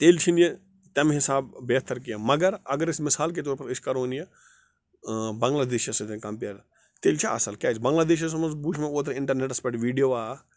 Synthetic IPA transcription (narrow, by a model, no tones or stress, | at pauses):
t̪eːlt͡ʃʰinije | t̪ʲɐmɦɪsaːbːeːt̪ɐɾkijamɐɡəɾɐɡəɾɪsmɪsaːlk̬et̪oːɾpɐɾɪʃkɐɾonije | bɐ̃ŋɡlaːd̪eːʃɐset̪ekɐmpeːɾ | t̪eːlt͡ʃʰaɐ̰sɐlkʲaːt͡ʃʰbɐ̃ŋɡlaːd̪eːʃɐs̬omɐnzbuːʃʰmẽoːt̪ɐɾɪ̃ɳʈɐɾneʈɐspeʈʋiːɖijoːaː